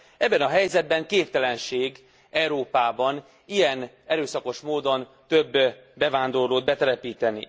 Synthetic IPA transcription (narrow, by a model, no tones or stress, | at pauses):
ɛbːɛnɒɦɛjzɛd̪̚bɛŋkeːpt̪ɛlɛnʃeːɡ | ɛuɾoːpaːbɒn | ijɛn | ɛɾøːsɒko̞ʃmoːd̪o̞n | t̪øbː | bɛvaːnd̪o̞rloːd̪̚bɛt̪ɛlɛpiːt̪ɛnḭ